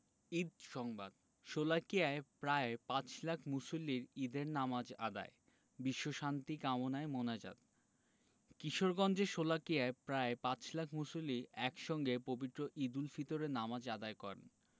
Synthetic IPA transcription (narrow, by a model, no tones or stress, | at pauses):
id̪̚ʃɔŋbad̪ | ʃolakijaepɾaepãt͡ɕlakʰmusoliɾid̪eɾnamad͡ʑa̰d̪a̰e | biʃːoʃant̪ikamonaemonad͡ʑa̰t̪̚ | kiʃoɾɡɔnd͡ʑeʃolakiaepɾaepat͡ɕlakʰmusoliɛkʃɔŋɡepobit̪ːɾoʔid̪ulfit̪oɾenamad͡ʑad̪aekɔɾḛn